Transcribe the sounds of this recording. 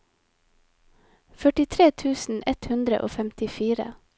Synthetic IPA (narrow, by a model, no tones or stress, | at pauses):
fœʈɪt̪ʰɾeːt̪ʰʉːsn̩ɛt̪hʉnd̪ɾə̰ʔo̰ːfɛmt̪ɪfiːɾə̰